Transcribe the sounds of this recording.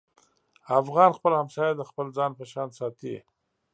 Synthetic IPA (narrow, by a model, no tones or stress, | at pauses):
afɣɑnxpəlhamsɑjad̪əxpəld͡zɑnpəʃɑnsɑt̪ḭ